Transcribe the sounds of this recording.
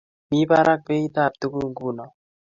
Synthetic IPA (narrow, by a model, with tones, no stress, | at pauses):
mi˦ba˦ɾa˦k̚be˦i˦t̪a˦˨p̚tu˦ɡu˦ŋɡu˦nɔ˨